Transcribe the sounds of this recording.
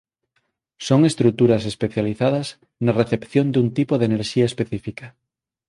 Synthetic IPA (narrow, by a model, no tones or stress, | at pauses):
soŋest̪ɾut̪uɾɐsespeθjaliθað̞ɐz | nareθepθjõnd̪unt̪ipoðeneɾʃiaespeθifika